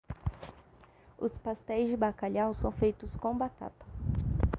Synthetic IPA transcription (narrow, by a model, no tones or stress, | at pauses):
ʊ̰spast̪ɛjzd͡ʒɪbakaʎawsɐ̃w̃fejt̪ʊskõbat̪a̰t̪ɐ̥